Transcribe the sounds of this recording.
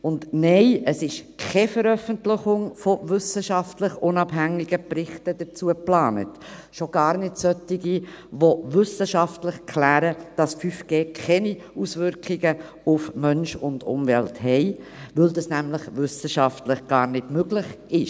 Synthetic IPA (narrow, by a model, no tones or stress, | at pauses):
ʊndnɛɪʔəsɪʃkʰɛfəɾœfəntlɪχʊŋfoʋʏsəʃɑftləχʊnɑbɦæŋiɡ̥əpɾɪχtəd̥ət͡suəplɑːnə̰t | ʃoɡ̥ɑːɾnɪtsœtːɪɡi | ʋoʋʏsəʃɑftlɪχkʰlæːɾəd̥ɑsfyfɡ̥eːkʰɛni | usʋʏɾkʰiɡə | ʊfmœnʃʊndʊ̰mʋɛlthɛɪʋɪldɑsnæmləχʋʏsəʃɑftləχɡ̥ɑːɾnɪdmøɡlɪχ | ɪʃ